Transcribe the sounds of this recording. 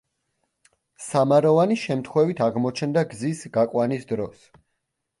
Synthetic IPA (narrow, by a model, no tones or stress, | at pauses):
samaɾɔvaniʃɛmt̪ʰχwɛvit̪ʰaʁmɔt͡ʃʰɛnd̪aɡzisɡakʼwanisd̪ɾɔs